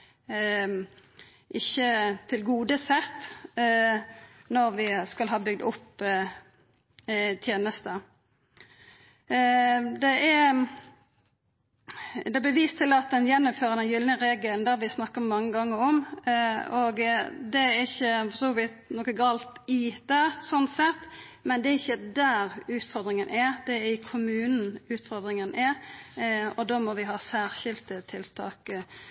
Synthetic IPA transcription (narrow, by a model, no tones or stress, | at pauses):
ʔɪçːət̪ʰɪlɡuːd̪əsɛt̪ː | nɔɾʋɪskɑlɦɑːbʏɡd̪ʊpː | t̪ʰjeːnəst̪ə | d̪ɛʔɛ | d̪ɛɛbɛʋiːst̪ʰɪlɑt̪̚d̪ɛnjɛnːɔmføːɾənɛnjʏlnəʁeːɡəlnd̪ææʋɪsnɑkːəmɑŋːəɡɑŋːəɔm | ɔɡd̪ɛæɪçːəfɔsuːʋɪ | noːkəɡɑːlt̪ɪd̪̥ɑːsɔnsɛt̪ːmɛnd̪ɛæɾɪçːəd̪æːɾʉːt̪fɔʁd̪ɾɪŋənʔæɾd̪ɛɪkʰʊmʉːnn̩ʉːt̪fɔɾʁd̪ɾɪŋənæɾ | ɔd̪oːmɔʋɪɦɑːsæːɾɕɪlt̪ət̪ʰɪlt̪ʰɑ̰ːk